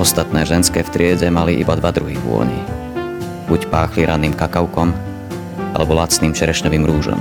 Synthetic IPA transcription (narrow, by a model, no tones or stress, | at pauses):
ɔst̪at̪nɛːʒɛnskɛːft̪ɾɪɛɟɛmaliʔḭbad̪ʋad̪ɾuɦiʋʊɔ̰ɲḭ | bucpaːxliɾaniːmkakaʊkɔm | ʔa̰lɛbɔlat͡sniːmt͡ʃɛɾɛʃɲɔʋiːmɾuːʒɔ̰m